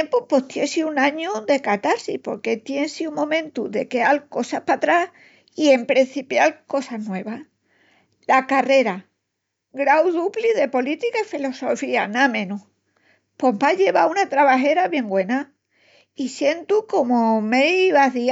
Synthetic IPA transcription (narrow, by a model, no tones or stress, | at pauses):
empupo̞ht̪jesiunãɲuðe̞kat̪aɾsipo̞ɾke̞t̪jensiumõmẽnt̪uðe̞ke̞alko̞sahpat̪ɾah | ie̞mpɾin̟θipjalko̞saɦnwe̞βah | lakare̞ɾa | ɡɾawðupliðe̞po̞lit̪ikaifilo̞so̞fianamẽ̞nuh | pompaʎe̞βaunat̪ɾaβaɦe̞ɾaβje̞ŋɡwe̞na | isje̞nt̪uko̞momeiβaɦði